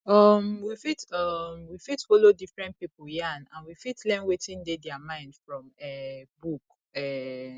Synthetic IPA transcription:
ɔmwifitɔmwifitfolodifɹɛ̃nt̚pipujanãnwifitlɛ̃nwetĩndedɛamãɪ̃ndfɹɔ̃mɛbuk | ɛ

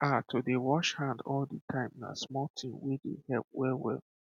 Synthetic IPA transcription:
ʔatʰodewɔʃhãndɔlditʰãɪ̃mina̰smɔltʰĩmwedḛhɛlp̚wɛlwɛ̰l

